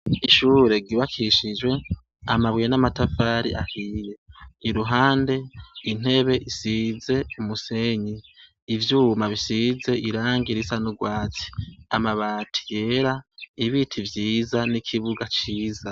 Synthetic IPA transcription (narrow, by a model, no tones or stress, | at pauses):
iʃuːɾe̞ɡiβakʰiʃid͡ʒwe̞ | amaβwijenamatafaːɾḭʔahiːɾe̞ːɾuɦaːnde̞in̥e̞βe̞ʔisize̞umuse̞ɲiː | vjuːmaβisize̞iɾaːŋɡiɾisanuɡwaːt͡si̥amaβaːtʰi̥je̞ɾaiβitʰivjiːzanikʰiβuɡat͡ʃiːza